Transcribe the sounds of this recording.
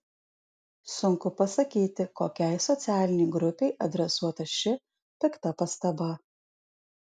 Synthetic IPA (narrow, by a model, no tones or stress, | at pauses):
sʊŋkʊpɐsɐkʲiːt̪ʲɪkoːkʲɛɪsɔt̪sʲæːlʲɪnʲɛɪɡɾʊpʲɛɪʔɐd̪ʲɾʲɛsuɔt̪ɐʃʲɪ | pʲɛkt̪ɐpɐst̪ɐbɐ